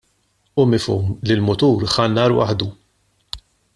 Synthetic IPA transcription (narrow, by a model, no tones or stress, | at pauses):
ʊmɪfṵːmlɪlmʊt̪uːɾħɐnːɐːɾwɐ̰ħd̪u